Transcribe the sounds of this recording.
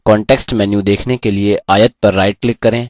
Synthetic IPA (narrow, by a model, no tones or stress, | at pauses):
kɔːɳʈɛːksʈmɛ̃ːnjũd̪eːkʰnekelieʔaːjət̪̚pɐɾːaːɪʈ̚klɪkːɐɾẽː